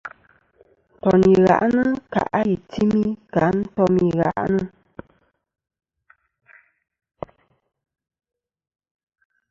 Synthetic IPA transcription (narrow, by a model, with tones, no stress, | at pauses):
tɔ˨ni˨ɣa̰˨ʔnə˦ka̰˨ʔa˦ji˨ti˦mi˦ka˨˦n̩˦tɔ˦mi˨ɣa̰˨ʔnə˦